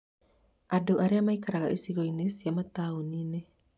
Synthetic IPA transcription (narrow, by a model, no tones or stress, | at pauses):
adoʔaɾeamaikaɾaɣaʔesiɣɔinesiamat̪aonine